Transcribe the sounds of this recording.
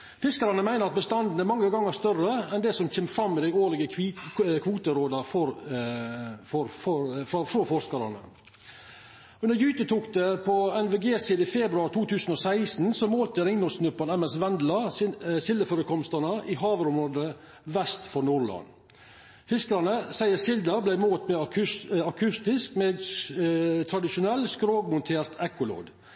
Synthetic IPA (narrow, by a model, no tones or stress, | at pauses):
fɪskəɾɑnəmæɪnəɾɑt̪̚bəst̪ɑnd̪n̩əmɑŋːəɡɑŋːəst̪œrəɛnd̪ɛsɔmçɛːmfɾɑmːɪd̪æɪoːɾlɪɡəkʰːkʰʋuːt̪əɾoːd̪ɑfɔɾ | fɔɾfɔɾffɾɔfɔʂskɑɾɑ̰nə̰ | ʉndəɾjyːt̪ət̪ʰuːkd̪ɛpʰɔɛnʋeːɡeːsiːd̪əɪfɛbɾʉɑːɾt̪ʰuːt̪ʉːsn̩ɔsæɪsn̩sɔmoːlt̪əɾɪŋnʊsnʉpːɑnɛmɛsʋɛnd̪lɑsɪsɪld̪əføːɾəkʰɔmst̪əɳnəʔɪɦɑːʋəɾʊmɾoːd̪ə | ʋɛst̪fɔɾnuːɾlɑ̰n | fɪskəɾɑnəsæɪəsɪld̪ɑblæɪmoːt̪mɛɑkʰʉɑkʰʉst̪ɪskmeːɡ | t̪ʰɾɑd̪ɪʃʊnɛlːskɾoːɡmʊnt̪ʰeːɾt̪ʰɛkʊlo̰ːɡ̪